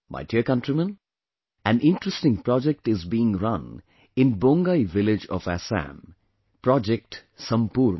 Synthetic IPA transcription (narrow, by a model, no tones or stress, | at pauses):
ma̰ɪdiəkʌ̃nʈɾimə̃n | æ̃nʔɪ̃nʈɾəsʈɪ̃ŋpɾɔd͡ʒek̚ʈɪzbiːɪ̃ŋɾʌ̃n | ɪ̃nbõŋɡaɪʋɪlɪd͡ʒɔ̰ʋæ̰sæ̰̃m | pɾɔd͡ʒek̚ʈsʌ̃mpuːɾ